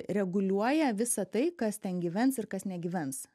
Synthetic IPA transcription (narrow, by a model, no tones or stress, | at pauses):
ɾʲɛɡʊlʲuɔjɛʋʲɪsɐt̪ɐɪkɐst̪ʲɛnɡʲiʋʲɛnsɪɾkɐsnʲɛɡʲiːʋʲɛns